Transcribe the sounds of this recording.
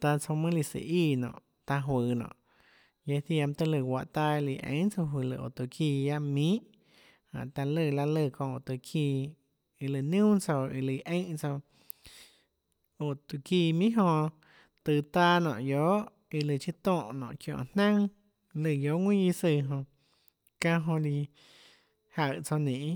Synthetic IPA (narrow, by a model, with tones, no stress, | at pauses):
t̪a˧t͡so˧mɨ̃˦li˧sḭ˧˨ʔi˧˨nɔ̰̃ː˨ʔ | t̪a˧ɦwəː˨nɔ̰̃ː˨ | je˧θja˧m˧t̪ə˧lɨ˧˨wʷa˧˨ʔt̪a˧i˧li˧˨ʔḛ̃˧˦ʔt͡so˧ɦi˧lɨ̰˧ʔo̰˨t̪u˨kʰi˧ja˧ʔmĩː˦ʔ | hã̰˨ʔt̪a˧lɨ˧la˧lɨ˧˨kɔ̃˧o˨t̪ɨ˧˨kʰiː˧˨ | i˧lɨ˧˨nũː˦t͡so˧i˧lɨ˨˧ʔẽ˦ʔt͡so˧ | o˧˨t̪u˧˨ki˧˨mĩ˦ɦõ˧ | t̪ɨ˧t̪aː˧˦nɔ̰̃ː˧˨ʔjo˨˦ʔ | i˧lɨ˧˨t͡ʃi˧t̪ɔ̃ː˦˧˨ʔnɔ̰̃ː˨ʔkjɔ̰̃ː˧˨nnã˦ŋ | lɨ˧˨jo˨˦ʔŋwʷĩ˦ji˧sɨ˧ɦõ˧ | kã˧ɦõ˧li˧ | ha˧˨t͡so˧nĩ˨ʔ